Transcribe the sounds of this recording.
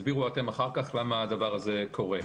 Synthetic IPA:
zbiʁuate̞maχaʁkaχlamaːd̪avaʁaze̞kʰo̞ʁe

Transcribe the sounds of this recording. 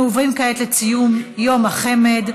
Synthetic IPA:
ovʁimkaet̪let͡sijumjo̞maχe̞med̪

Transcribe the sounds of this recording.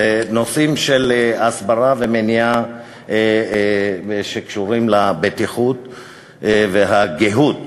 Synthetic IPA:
no̞simʃelasbaʁavemenia | ʃekʃuʁimlabet̪iχut̪ | veɦaɡeɦut̪

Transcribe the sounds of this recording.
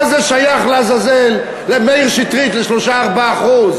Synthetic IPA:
zeʃajaχlazazelː | emejʁʃit̪ʁit̪leʃloʃaːʁbaːχuz

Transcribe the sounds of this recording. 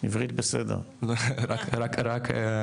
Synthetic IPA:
ivʁit̪̚besɛd̪ḛʁ | lɾakʰɾakʰɾakʰ

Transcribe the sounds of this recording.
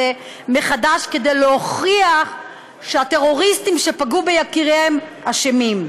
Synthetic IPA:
e | meχadaʃke̞d̪ejleoχʁiaχ | ʃeat̪e̞ʁo̞ʁist̪imʃe̞paɡube̞jakiʁemhaʃemim

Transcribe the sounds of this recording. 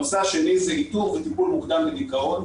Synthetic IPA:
saʃelejzehit̪ufvet̪ipulmukd̪ambed̪ikao̞n

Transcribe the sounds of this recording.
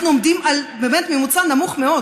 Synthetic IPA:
nuomd̪imalbemet̪memut͡sanamuχme̞o̞d

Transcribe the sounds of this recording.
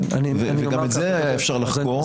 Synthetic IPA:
veveɡametzeajaefʃaʁlaχko

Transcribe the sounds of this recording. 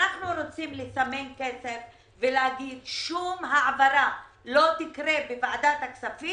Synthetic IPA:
naχnuɾot͡simlesamenkesef | veleɦaɡid̪ʃumɦaʕavaɾa | lo̞t̪ikɾebevaad̪at̪haksafi

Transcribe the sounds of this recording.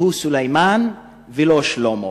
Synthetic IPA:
husulajman | veloʃlomo

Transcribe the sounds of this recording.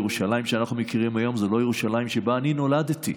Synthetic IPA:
ʁuʃalajimʃeanaχnumekiʁimajo̞mzelo̞jeʁuʃalajimʃebaːnino̞lad̪t̪i

